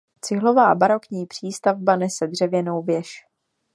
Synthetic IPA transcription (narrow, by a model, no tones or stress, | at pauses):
t͡sɪɦlo̞vaːbaɾo̞kɲiːpr̝̥iːst̪avbanɛsɛdr̝ɛvjɛno̞wvjɛʃ